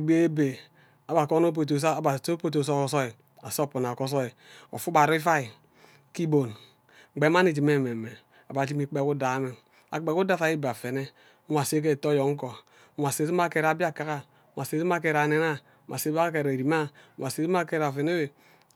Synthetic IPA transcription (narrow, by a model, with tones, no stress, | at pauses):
ɡ͡be˦be˨ | a˨ba˨ko˦no˦p̬o˨t̬o˨s̬a˦˨ba˨to˦po˦t̬o˨so˦kɔ˨so˦i˨ | a˨so˦˨pu˨na˨ko˦s̬o˦i˨o̰˨fu˦ba˨ɾi˦fa˦i˨ | ki˦bo˨n˨ | ɡ͡be˨˦m˦a˦ni˨d͡ʒi˨me˦˨me˨me˨ | a˨ba˨d͡ʒi˦mi˨k͡pe˨ku˦da˨˦me˨ | a̰˨k͡pe˨ku˦da˦fa˨ji˦ba˨fe˨ne˦ | a˨se˦k̬e˦˨to˦jo˨ŋ̩˦ko˨˦˨ | a˨se˨si˦m˦a˦ke˨ɾa˨bi˦a˦ka˦ka˦ | wa˨se˨˦si˦m˦a˦ke˨ɾa˨ne˦na˦ | ma˨se˦a˦ke˨ɾe˨ɾi˨ma˦wa˨se˨˦si˦m˦a˦ke˦ɾa˨fe˨ne˦be˨